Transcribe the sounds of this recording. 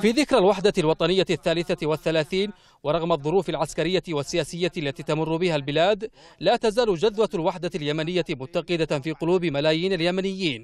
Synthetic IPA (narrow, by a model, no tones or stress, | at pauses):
fiːðɪkɾalwaħd̪alwɑt̪ˤɑnɪjːaθːaːlɪθawaθːalaːθiːn | wɑɾˤɑɣmɑðˤːʊɾuːfalʕaskaɾɪjːawasːɪjaːsɪjːalːat̪iːt̪amʊrːʊbɪhalbɪlaːd̪ | laːt̪azaːlʊd͡ʒaðwalwaħd̪aljamanɪjːamʊt̪ːɑqɨd̪afiːqʊluːbɪmalaːjiːnaljamanɪjːiːn